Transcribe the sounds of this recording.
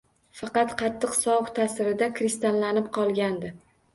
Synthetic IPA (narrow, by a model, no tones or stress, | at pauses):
fɑqɑt̪qʰɑt̪ʰːɨqsɒχt̪ʰasɪɾɪd̪akɾɪst̪allanɪp̚qʰɒlˠɡʲand̪ɪ